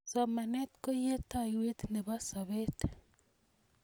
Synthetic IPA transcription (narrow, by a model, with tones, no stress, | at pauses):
sɔ˨ma˨nɛ˦t̪ko˦je˦t̪a˨jwe˦t̪ne˨βa˦sa˨βe˦t̪e̥